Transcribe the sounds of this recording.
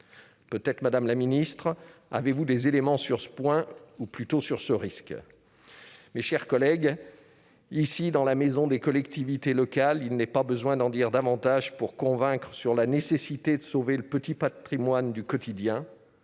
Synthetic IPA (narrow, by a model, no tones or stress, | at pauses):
pøt̪ɛt̪χəmad̪amlaminist̪χa̰vevud̪ezelemɑ̃syʁsə̥pwɛ̃uplyt̪osyʁsəʁisk | meʃɛʁkɔlɛɡ | isid̪ɑ̃lamezɔ̃d̪ekɔlɛkt̪ivit̪elɔkalilnɛpabəzwɛ̃d̪ɑ̃d̪iʁd̪avɑ̃t̪aʒpuʁkɔ̃vɛ̃kχəsyʁlanesesit̪ed̪əsoveləpət̪ipat̪χimwand̪ykɔt̪ʰid̪jɛ̃